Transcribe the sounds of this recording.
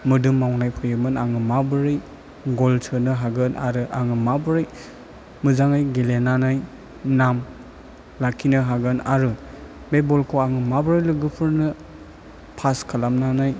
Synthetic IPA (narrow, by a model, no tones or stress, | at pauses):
mɯdɯmːawnajpʰɯjɯmɯnaŋɯmabɯɾɯj | ɡɔltʰɯnɯɦaɡɯnaɾɯʔaŋɯmabɯɾɯj | mɯzaŋɯjɡelenanaj | nam | lakʰinɯɦaɡɯna̰ɾɯ | bebɔlkʰoaŋɯmabɯɾɯjlɯɡɯpʰɯɾnɯ | pʰaskʰalamnanaj